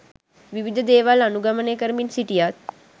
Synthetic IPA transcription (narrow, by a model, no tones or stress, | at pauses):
ʋiʋid̪ʱəd̪eːʋalɐnuɡəmənekəɾminsiʈijaːt̪̚